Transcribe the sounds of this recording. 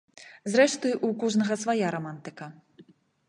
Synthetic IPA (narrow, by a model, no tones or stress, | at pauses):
zɾɛʂt̪ɨjʔukɔʐnɐɣɐsvajaɾɔmant̪ɨkɐ